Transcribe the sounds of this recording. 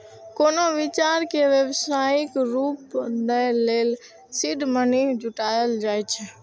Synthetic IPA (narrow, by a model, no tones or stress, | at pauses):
koːnoʋit͡ʃaɾkeʋjəwsaɪkɾuːpnəlel | siɖməniɦd͡ʒuʈajəld͡ʒajt͡ʃʰɛ